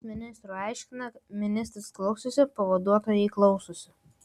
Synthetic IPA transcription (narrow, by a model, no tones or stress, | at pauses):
mʲɪnʲɪst̪ɾuɑˑɪʃʲkʲɪnɐmʲɪnʲɪsʲt̪ɾʲɪsklˠɐʊsʲosʲɪpɐʋɐd̪uɔt̪oːjɛɪklˠɒʊsʊsʲɪ